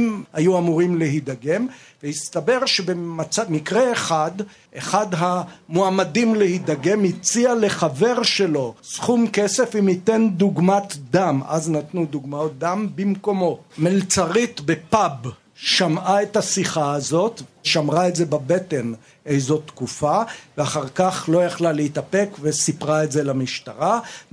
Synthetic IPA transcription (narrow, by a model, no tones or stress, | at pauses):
mhajuamuʁimleɦid̪aɡe̞mvehist̪abe̞ʁʃebemat͡samikʁeːχad̪ | ʔeχad̪ɦamoamadimlehid̪aɡe̞mit͡siale̞χave̞ʁʃe̞lo̞ssχumke̞se̞fimit̪e̞nd̪uɡmat̪d̪ama̰znat̪nud̪uɡmaot̪̚d̪ambimko̞mo̞melt͡saʁit̪be̞pab | ʃamaet̪hasiχaːzo̞t̪veʃamʁaetze̞babe̞te̞n | ejzo̞t̪kufaveaχaʁkaχlo̞jaχlaleit̪ape̞kvesipʁaetzelamiʃta̰ʁa